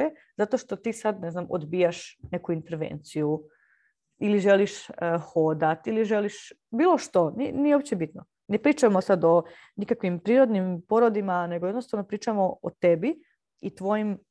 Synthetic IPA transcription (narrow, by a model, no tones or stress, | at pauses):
e | zat̪o̞ʃt̪o̞t̪iːsad̪ne̞znamʔo̰d̪bijaʃne̞kuint̪eɾʋḛːnt̪siju | iliʒe̞liʃəxod̪at̪iliʒeliʃbiːlˠo̞ʃt̪o̞ninijeopt͡ɕebit̪no | nepɾiːt͡ʃamo̞sad̪o̞ | nikakʋimpɾiːɾo̞d̪nimpo̞ɾod̪imane̞ɡojed̪nost̪aʋno̞pɾiːt͡ʃamo̞ʔot̪ebi | it̪ʋo̞jim